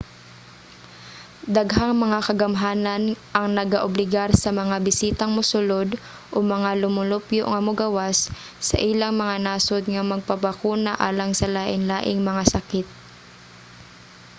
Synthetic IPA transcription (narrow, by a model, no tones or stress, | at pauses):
d̪ɐɡɦaŋmɐŋakɐɡɐmɦaːnɐnʔɐŋnɐɡaʔʊblɪɡaɾsɐmɐŋabɪsiːt̪ɐŋmʊsʊlod̪ | ʔomɐŋalʊmʊlʊpjoʔŋɐmʊɡɐwasː | ɐ̰ʔilaŋmɐŋanaːsod̪ŋɐmɐɡ̚pɐbɐkuːnɐʔaːlɐŋsɐlaːʔɪŋlaːʔɪŋmɐŋasɐkɪt̪̚